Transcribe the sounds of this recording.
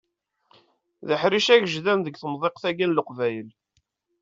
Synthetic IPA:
ðəħɾiʃæʝʒðænðəɡθəmðˤeqθæɡænləqvæjəl

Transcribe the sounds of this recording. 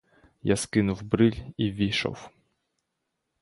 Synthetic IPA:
jaskɪnuwbɾɨlʲivʲiʂɔ̰w

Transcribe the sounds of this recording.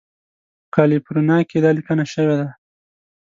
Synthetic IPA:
kɑlipɾunɑked̪ɑlikənaʃəwed̪a

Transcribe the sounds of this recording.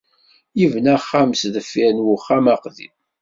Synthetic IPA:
jivnæχːæmsðəfːinwʊχːæmæqðḭ

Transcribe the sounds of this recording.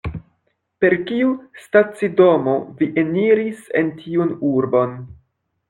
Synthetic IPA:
pe̞ɾkiustat͡sido̞mo̞viʔeniɾisḛntʰiunuɾbo̞n

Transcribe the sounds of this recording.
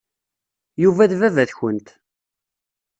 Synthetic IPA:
juvæðvævæðçənt̪

